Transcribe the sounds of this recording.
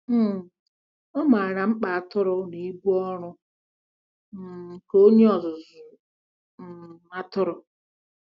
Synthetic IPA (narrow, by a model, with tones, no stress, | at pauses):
m̩˦˨ | ɔ˦ma˨a˨ɾa˨ŋ͡m̩˦k͡pa˨a˨tʊ˦ɾʊ˦ni˨˦bu˦ɔ˦ɾʊ˦˨ | ko˦ɲe˦ɔ˨zʊ˨zʊ˨ | a˦tʊ˦ɾʊ˦